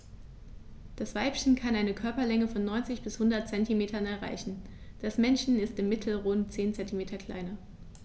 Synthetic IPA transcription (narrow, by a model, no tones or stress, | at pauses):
d̥asv̥aɪpçən̩kʰanaɪnəkʰœɐpɐlɛŋəfɔnːɔʏnt͡sɪçb̥ɪshʊndɐt̚t͡sɛntimeːtɐnɛɐʁa̰ɪçn̩ | d̥asmɛnʃn̩ɪstɪmːɪtʰl̩ʁʊntt͡seːnt͡sɛntimeːtʰɐkʰl̥a̰ɪnɐ